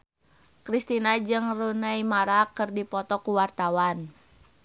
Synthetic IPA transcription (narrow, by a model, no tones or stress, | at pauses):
kɾist̪inad͡ʒɨŋrunaimaɾakɨrdipɔt̪ɔkuwart̪awan